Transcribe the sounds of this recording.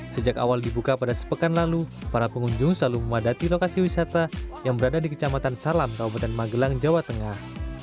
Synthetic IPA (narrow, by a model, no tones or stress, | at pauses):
səd͡ʒaka̰waldibukapadasə̥pəkanlalupaɾapəŋuɲd͡ʒʊŋsəlaluməmadat̪ilokasiwisat̪ajaŋbəɾadadikə̥t͡ʃamat̪ansalamkaubat̪ɛnmaɡəlaŋd͡ʒawat̪əŋah